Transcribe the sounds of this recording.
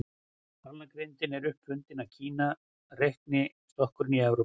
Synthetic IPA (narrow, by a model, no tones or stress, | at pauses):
aɾlnakɾejnt̪ɪnɛɾʏhpfʏnt̪ɪnawcʰiːna | rejht̪nɪ | st̪ɔhkʏɾɪniɛwɾo